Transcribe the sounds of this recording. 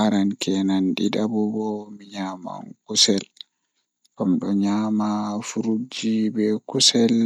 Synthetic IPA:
aɾankɛnanɗidabɔbɔmiɲaːma̰nkusɛl | kɔmɗɔɲamafuɾud͡ʒibɛkusɛl

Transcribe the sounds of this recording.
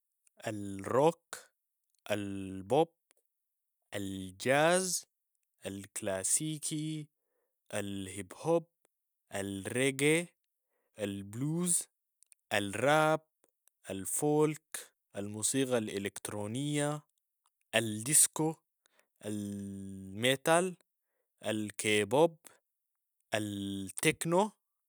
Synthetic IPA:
ʔalrok | ʔalbob̚ | ʔald͡ʒaːz | ʔalklaːsiːkʰi | ʔalhibhob̚ | ʔalreɡe | ʔalbluːz | ʔalrab̚ | ʔalfoːlk | ʔalmuːsiːɡalʔelekt̪ɾoːnijːa | ʔald̪isko | ʔal | met̪al | ʔalkebob | ʔalt̪ekno

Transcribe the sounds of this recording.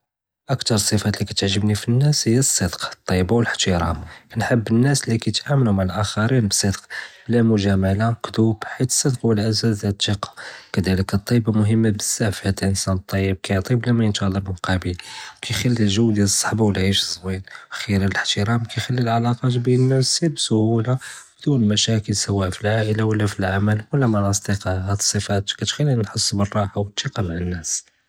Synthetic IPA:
ʔəkt̪ɑɾˤsˤːəfæt̪likæt̪əʕʒəbnifinːæshəjːæsˤːəd̪qt̪ˤːɑjəbawələħt̪əɾˤɑ̰mnħəbːənːæslikæjt̪ʔaməlumaʕlʔæxɑɾinbsˤəd̪qblæmʊʒæmalakd̪ubħit̪ə̥sˤːəd̪qwəlʔæzæzd̪jæt̪ːiqɑ̥kæd̪æləkt̪ˤːɑjbamʊɦəmːabəzːæʕfihæd̪lʔənsænət̪ˤːɑjːəb̚kæjoʕt̪ˤiblæmæjənʃælˤːɑbmqɑbəlkʰæjxælːilʒəwːd̪jæləsˤːɑħbawlʕiʃəzˤwinxiɾələħt̪əɾɑmkæjxælːilʕalɑqɑt̪binəmæsːilbsʊhulabd̪unəlmæʃækəlsæwːæʔfilʕaʔəlawəlːæfilʕaməlwəlːæmɑnɑsˤt̪ˤiqɑhæd̪sˤəfæt̪kæt̪xælːinnħəsˤːbərˤːɑħawət̪ˤːiqɑmaʕənːæs

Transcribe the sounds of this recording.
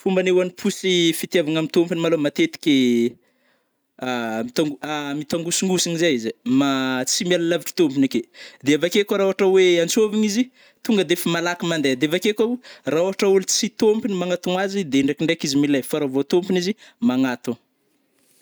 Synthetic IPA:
fumbanewanipʰusifit̪iavaŋamit̪ompinimalomat̪et̪i̥kʲe | amit̪aŋɡamit̪aŋɡusiŋɡusiŋizajizimat͡simialalaviki̥t̪ompiniked̪eavakekaɾaoaʈ͡ʂaweant͡soviŋizi | t̪uŋɡəd̪efimalakimand̪ed̪eavakekaraoɦaʈ͡ʂaulut͡sit̪ompinimaŋat̪uŋazid̪eɳɖ͡ʐekiɳɖ͡ʐekizimilajfaɾavot̪ompinizimaŋat̪u

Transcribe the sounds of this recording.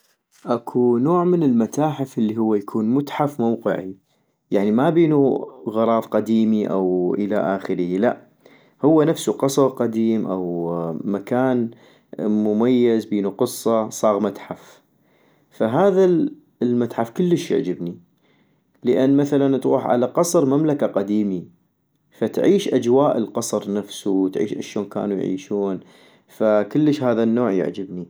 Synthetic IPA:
ʔakʰunoːʕmənəlmat̪aːħɪfʔlːiɦʊwːajakʰuːnmʊt̪ħafmawqɨ̰ʕi | jaʕnimabiːnuɣɑɾˤɑːðˤqad̪iːmiʔa̰wʔəla̰ʔaːxəɾəhilaʔ | hʊwːanafsuqɑsˤɑfˤqɑd̪iːmʔa̰wmakaːn | mʊmajːazbiːnuqɨsˤːɑsˤɑːɣmat̪ħaf | faɦaːða | lmat̪ħafkʊlːəʃjə̰ʕd͡ʒɪbni | ləʔanːmaθalant̪ɣuːħʕa̰laqɑsˤɾmamlakaqad̪iːmi | fat̪ʕiːʃʔad͡ʒwaːʔəlqɑsˤɾnafsuwt̪ʕḭːʃʔa̰ʃoːnka̰ːnujʕḭːʃuːn | fakəlːəʃhaːðanːoːʕjə̰ʕd͡ʒɪbni

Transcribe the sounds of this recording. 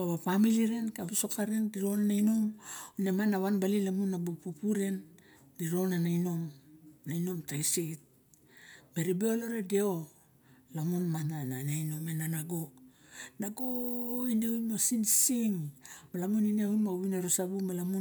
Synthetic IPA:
aβapamiliɾe̞nkabeso̞kaɾe̞ndiɾo̞nanajnomonemanːaβanbalilamunːabupupuɾe̞n | diɾo̞nanajno̞mnajno̞mtajsit̚ | me̞ɾibeoloɾedeo | lamunmanananajno̞menanaɡo̞ | naɡoineujmasinsiŋmalamunineujmauβineɾosabumalamu

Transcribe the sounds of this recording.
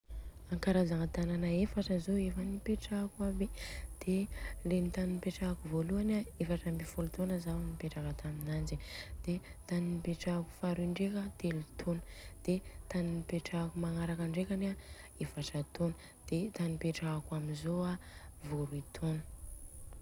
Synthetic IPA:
aŋkaɾazaŋət̪ananaefaʈ͡ʂəzoefanipeʈ͡ʂakuabid̪̥elenit̪aninipeʈ͡ʂakuvoluanaefaʈ͡ʂambifulut̪onəzawnipeʈ͡ʂakat̪ʰaminand͡ʒid̪̥et̪aninipeʈ͡ʂaku̥faɾiɳɖ͡ʐekət̪elut̪ʰonə̥d̪̥et̪aninipeʈ͡ʂakumaŋaɾakaɳɖ͡ʐekʲana | efaʈ͡ʂat̪onə | d̪̥et̪anipeʈ͡ʂakwaminzoavoɾuit̪ʰonə̥

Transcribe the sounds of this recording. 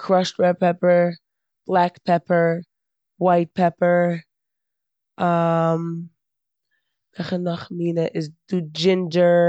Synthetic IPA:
kʰɾɔʃtɹɛpɛpəɹ | b̥lˠakpʰɛpəɹ | waɪt̚pʰɛpə˞ | am | kʰaχənɔχmiːnəʔɪzd̥ud͡ʒɪndə

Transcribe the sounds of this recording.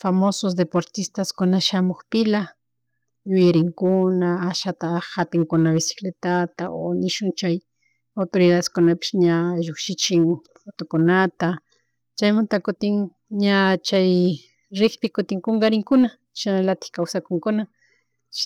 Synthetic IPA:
famosos̬d̪epoɾt̪ɪst̪askʊnaʃamoχpɪla | ʎʊjaɾɪŋkʊnaːʃat̪ahapɪŋkʊnaβesɪ̥klet̪at̪aonɪʃʊnt͡ʃaj | awt̪oɾɪðaðeskʊnapɪ̥ʃɲaʒokʃɪt͡ʃɪŋ | fot̪okonat̪a | t͡ʃajmant̪akʊt̪ɪŋ | ɲat͡ʃaj | ɾɪkpɪkʊt̪ɪŋkoŋɡaɾɪŋkʊna | ʃanalat̪ɪ̥xkawsakʊŋkʊna

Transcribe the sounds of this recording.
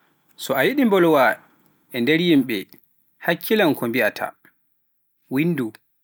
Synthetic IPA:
sɔajiɗimbɔlwa | ɛndɛɾjimɓɛ | hakʰːilankɔmbiatʰa̰ | winːdu

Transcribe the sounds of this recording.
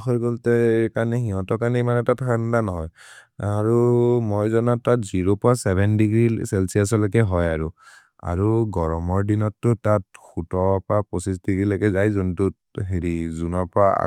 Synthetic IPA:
xɔjɡɔltɛkanihiɦɔ̃tɔkaɹnimanɛtatʰkʰandanɔɦɔjaɹumojzɔnatːatziɹopɔasɛbʱɛndiɡɹisɛlsias̬ɔlɔkɛɦɔjaɹu | a̰ɹuɡɔɹɔmɔɹdinɔtːʊtat̚xutɔpɹapɔsis̬diɡɹilakɛzajzɔntu | ɦeɹizunɔpɔɹaa̰

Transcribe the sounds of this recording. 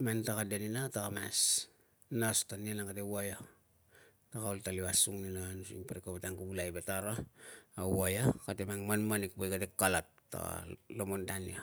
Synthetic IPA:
mantakadeninatakama̰s | nostonienaŋkatewojo | takaltaliwasuŋninonsiŋpaɾikopetaŋkubulajbetaɾoawojokatemaŋmanmanik̚pojkatekːolotːo̰lomondanio

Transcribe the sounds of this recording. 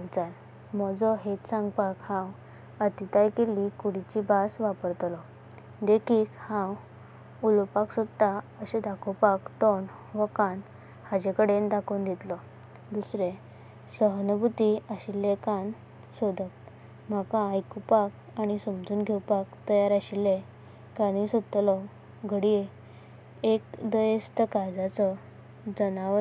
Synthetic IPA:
ɡt͡sal | mɔd͡zɔɦet͡ssãŋɡpakhãw | ət̪it̪ajkelikuɽit͡ɕibasʋapəɾt̪lɔ | d̪ekʰiːkhãw | ulpaksud̪aəɕed̪akʰowpakt̪ɔn | ʋəkan | had͡ʑekəɽend̪akʰond̪it̪lɔ | d̪usɾe | səɦnəbut̪iaɕilːẽkan | sod̪ʱət̪̚ | m̤akãːjkupak̚ | aɽ̃isəmd͡zuːnɡʱewpakt̪əjaɾaɕilːe | kanisɔd̪̚t̪ːlɔ | ɡʱəɽie | ekd̪əjəst̪əkad͡zat͡sɔ | d͡zənaə

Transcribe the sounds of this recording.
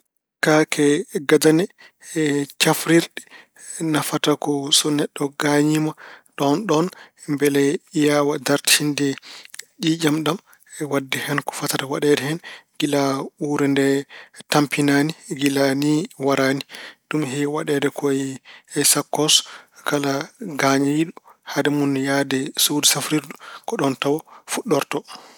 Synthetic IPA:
kakʰɛɡadanɛ | t͡ʃafɾiɾɗɛ̥ | nafatakɔsɔnɛɗːɔɡaɲimaɗɔnɗɔn | mbɛlɛijawadaɾtʰindɛɗid͡ʒamɗam | ɛwadːɛhɛnkɔ̥fatatawaɗɛdɛhɛnɡilauɾɛndɛtampinaniɡilaniwaɾanidumɦɛwaɗɛdɛkʰɔjɛsakːɔskalaɡaɲaiɗuhadɛmunjadɛsudsafɾiɾdukɔɗɔntawɔfuɗːɔɾtɔ

